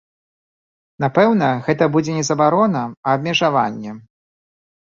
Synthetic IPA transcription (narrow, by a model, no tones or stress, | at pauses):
napɛwnɐɣɛt̪ɐbud͡zʲɛnʲɛzɐbaɾɔnɐɐːb̚ʲmʲɛʐava̰nʲːɛ